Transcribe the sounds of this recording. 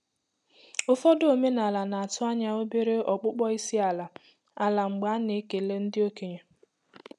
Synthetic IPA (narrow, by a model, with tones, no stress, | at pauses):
ʊ˦fɔ˦do˨me˦na˨la˨na˨a˨tʊ˦a˦ɲa˦o˦be˦ɾe˦ʔɔ˨k͡pʊ˦k͡pɔ˦i˦si˦a˨la˨ | a˨la˨ŋ͡m̩˨ɡ͡ba˨˦ne˨˦ke˨˦le˦n̩˦dɪ˦o˦ke˨ɲe˨